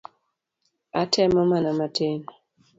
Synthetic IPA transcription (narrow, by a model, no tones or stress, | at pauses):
atʰɛmɔmanamatʰen